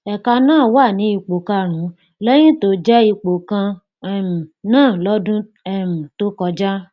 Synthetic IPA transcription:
ɛ˨ka˧nãː˦˨wa˦˨nĩ˨˦i˧k͡po˨kã˧ɾ̃ũ˨˦ | lɛ˦j̃ĩ˦to˨˦d͡ʒɛ˦i˧k͡po˨kã˧˦ | m̩˨nãː˦˨lɔ˨˦dũ˦ | ɛ˦˨m̩˨to˦kɔ˧d͡ʒa˦

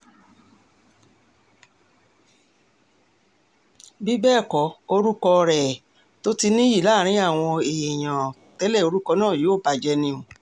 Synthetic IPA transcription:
bi˦bɛː˦˨kɔ˨˦o˧ɾu˦kɔ˧ɾɛ˨ | to˦ti˧nĩ˦ji˦˨la˦˨ɾ̃ĩ˦a˦˨w̃ɔ̃˧e˨je˨j̃ã˨tɛ˨˦lɛ˦˨o˧ɾu˦kɔ˧nãː˦˨jo˨˦˨ba˧d͡ʒɛ˧nĩ˧ũ˨

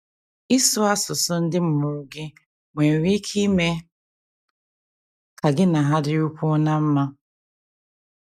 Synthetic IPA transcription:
i˦sʊ˦a˦sʊ˨sʊ˦n̩˦dɪ˦m̩˦mʊ˨ɾʊ˨ɡɪ˦ | ŋʷe˨ɾi˦kʰi˦me˦ | ka˨ɡɪ˦na˨ɦa˦dɪ˦u˦kʷʊ˦na˦m̩˦ma˦

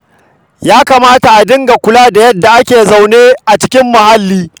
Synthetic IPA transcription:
jaː˦kaː˨maː˦ta˨ʔa˨dɪ˦ŋɡa˨kʷʊ˦laː˦da˨jɐ˦dːa˨ʔa˦kʲeː˨za˨wneː˦ʔa˨t͡ʃɪ̥˦kʲɪ˦mːʊ˨ha˦lːiː˦

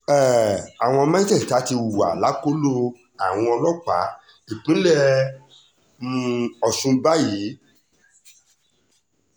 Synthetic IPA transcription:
ɛ˦˨a˨w̃ɔ̃˧mã˦i˦tɛ˦˨ta˨˦ti˧u˨a̰˨la˨˦ko˦lo˦ | a˨w̃ɔ̃˧ɔ˧lɔ˦k͡pa̰˨˦ | i˨k͡pĩ˨˦lɛ˦ | mũ˧ɔ˧˨sũ˧ba˦ji˨˦

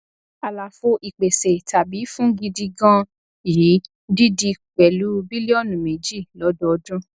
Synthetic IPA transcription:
a˨la˨fo˧ʔi˨k͡pe˨se˨ta˨bi˨˦fũ˦ɡi˧di˧ɡã˦ | ji˨˦ | di˦di˧k͡pɛ˨lu˨˦bi˦le˦ɔ˦˨nũ˨mẽ˨d͡ʒi˦˨lɔ˨˦dɔ˦ɔ˧dũ˦

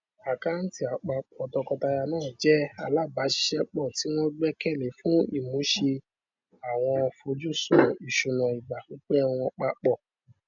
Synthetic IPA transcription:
a˨ka˦n̩˦ti˦a˨k͡pa˧k͡pɔ˨tɔ˧kɔ˧ta˧ja˧nãː˦˨d͡ʒɛ˦a̰˧˨la˦˨ba˨˦ʃi̥˧˦ʃɛ˦k͡pɔ˦˨ti˨˦w̃ɔ̃˦du˦ɛ˦kɛ˦˨le˨˦fũ˨˦ḭ˦˨mũ˨˦ʃe˧ | a˨w̃ɔ̃˧fo˧d͡ʒu˦˨sɔ˨i˨ʃu˨˧˨nã˨i˨ɡ͡ba˨ki˦k͡pe˦a˦˧w̃ɔ̃˧k͡pa˧k͡pɔ˦˨

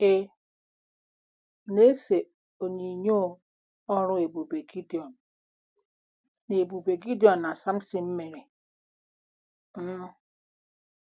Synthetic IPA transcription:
e˨˦ | ne˦se˨ | o˨ɲi˨ɲo˦ | ɔ˦ɾu˦e˨bu˨be˨ɡi˦di˨ɔ˨n | ne˨bu˨be˨ɡi˦di˦ɔ˨nːa˨sa˦m̩˦si˦m̩˦me˨ɾe˨˦

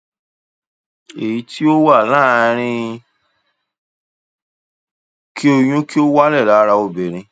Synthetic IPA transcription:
e˨ji˨˧˦ti˦o˦wa˦˨lã˦˨˧ɾ̃ĩ˧ | ki˦o˧j̃ũ˦ki˦o˦wa˦lɛ˦˨la˨˦ɾa˧o˧be˨ɾ̃ĩ˧

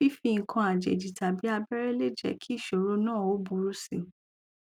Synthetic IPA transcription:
fi˦fi˧ŋ̩˨kʰã˧a˨d͡ʒɛ̰˨d͡ʒi˨ta˨bi˨˦a˧bɛ˦ɾɛ˦le˦d͡ʒɛ̰˨kʰi˦i˦˨ʃo˨ɾo˦nãː˦˨o˨˦bu˧˦ɾu˦sĩ˦˨

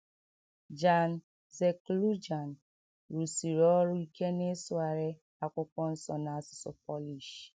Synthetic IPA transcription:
d͡ʒa˨n | ze˨klu˦d͡ʒa˨n | ɾu˨si˨ɾɔ˨˦ɾʊ˦i˦ke˦ne˦sʊ˦a˨ɾe˦ | a˨kʷʊ˦kɔ˦n̩˦sɔ˨na˨sʊ̥˨sɔ˨pɔ˦li˨ʃ

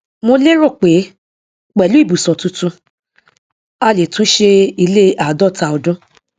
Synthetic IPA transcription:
mo˧le˦ɾo˦˨k͡pe˨˦ | k͡pɛ˨lu˨˦i˦˨bu˨sɔ˨tũ˧˦tũ˧ | a˦˨le˨tũ˦ʃe˧i˧le˦ʔa˨dɔ˦˨ta˧ɔ˧dũ˦

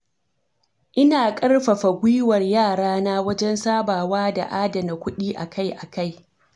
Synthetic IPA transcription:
ʔɪ˦naː˨kʼɐ˦rɸɐ˨ɸa˨ɡʷi˦wɐ˨rjaː˦˨ɽaː˦na˦wɐ˦d͡ʒɛ˦nsaː˦baː˨waː˦da̰˨ʔaː˦dɐ˨na˨kʷʊ˦ɗiː˦ʔa˨ka˦jʔa˨ka˦˨j

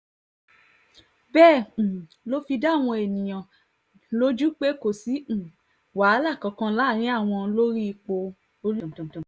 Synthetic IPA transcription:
bɛ̃ː˦˨ | lo˦fi˧da˦˨w̃ɔ̃˧e˨nĩ˨j̃ã˨ | lo˦d͡ʒu˦k͡pe˦ko˨sĩ˨˦˨ | wa˨˦la˦˨kã˨˧kã˧la˦˨ɾ̃ĩ˨˦a˦˨w̃ɔ̃˧lo˦ɾi˦i˧k͡po˧ | o˧˦lu˦˨

